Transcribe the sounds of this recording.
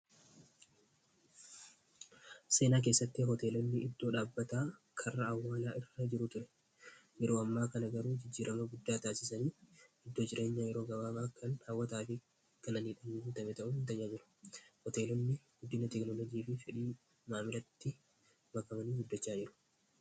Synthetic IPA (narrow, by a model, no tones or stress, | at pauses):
se̞ːnaːk̬eːsːɐt̪ːɪɦɔt̪e̞ːlɔnːɪɪd̪ːo̞ːᶑaːbːɐt̪aː | kʰɐrːɐːwːaːlaːʔɪrːɐd͡ʒɪɾʊt̪ʊɾɛ̥ | jɛɾo̞ːɐmːaːkɐnɐɡɐɾuːd͡ʒɪd͡ʒːiːɾʔɐmɐɡʊd̪ːaːt̪aːsɪsɐniːɪd̪ːoːd͡ʒɪɾʔe̞ːɲːaːjɛɾo̞ːɡɐwaːmaːkʰɐnhawːɐt̪aːfɪ | kɐnɐniːᶑɐnːuʊnt̪ɐmɛt̪ɐʔʊɪnt̪ɐɲːaːd͡ʒɪɾʊ̥hɔt̪e̞ːlɔnːɪɡʊd̪ːɪnɐt̪ɛknɔlɔd͡ʒiːfɪfɛᶑiː | maːmɪɾɐt̪ːɪ | mɐkɐmɐniːɡɪd̪ːɔt͡ʃːaːd͡ʒɪɾʊ̥